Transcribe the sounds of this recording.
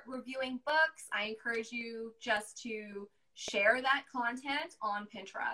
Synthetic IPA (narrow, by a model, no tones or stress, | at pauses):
ɹɪvjʉɪ̃ŋbʊksa̰ɪɨ̃nkʰɜ˞ɨd͡ʒjɨd͡ʒʌstʰɨ | ʃɛɹðət̚kʰɑ̃ntʰɛ̃ntn̩pʰɪ̃ntʰɹ̥ə̰